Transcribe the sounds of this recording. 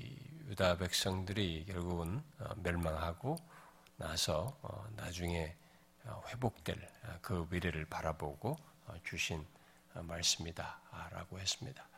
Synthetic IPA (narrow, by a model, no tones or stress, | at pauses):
judabe̞k̚s͈ʌŋdɯɾikjʌɭɡuɡɯnʌ̰mjʌɭmaŋɦaɡo | nasʰʌ̰nad͡ʑuŋe̞ | ɸwe̞bok̚t͈we̞ɭkɯwiɾeɾɯɭpaɾaboɡot͡ɕuɕʰin | maɭs͈ɯmidaɾa̰ɡohe̞s͈ɯmɲida